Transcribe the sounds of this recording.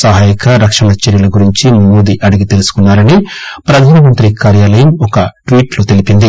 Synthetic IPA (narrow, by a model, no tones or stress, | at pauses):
sɐɦaːjikɐɾɐkʂɐɳɐt͡ʃeɾjɐlɐɡuɾiɲt͡ʃimoːd̪iʔɐɽɐɡit̪e̞lusu̥kunːaːɾɐnipɾɐd̪ʱaːnɐʋɐnt̪ɾikaːɾjaːlɐjɐmɔkɐʈʋiːʈloːt̪e̞lipind̪i